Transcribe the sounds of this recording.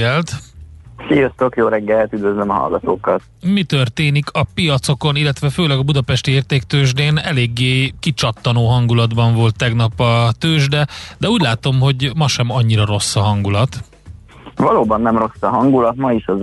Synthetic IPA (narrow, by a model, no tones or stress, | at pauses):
ɛlt̪sijost̪okjoːɾɛɡːɛlt̪yd̪vøzlømɒɦɒ̰lɡɒt̪o̰ːkːɒt̪ | mit̪ø̞rt̪eːnikʰɒpijɒt̪so̞ko̞nilːɛt̪ʋɛføːlɛɡɒbud̪ɒpɛʃt̪ieːrt̪eːkt̪øːʒd̪eːnɛ̰leːɡːeːkit͡ʃɒt̪ːɒnoːɦɒŋɡulɒd̪bɒɱvo̞lt̪ːɛɡnɒpɒt̪øːʒd̪ɛd̪ɛuːɟlaːt̪o̞mɦo̞ɟmɒʃɛmɒɲːiɾɒɾo̞sːɒɦɒŋɡulɒt̪ | vɒloːbɒnːɛmro̞sːɒɦɒŋɡulɒt̪mɒiʃɒz